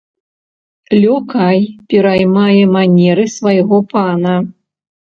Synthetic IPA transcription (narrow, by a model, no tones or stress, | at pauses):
lʲɔkajpʲɛɾajmajɛmanʲɛɾɨsvajɣɔpanɐ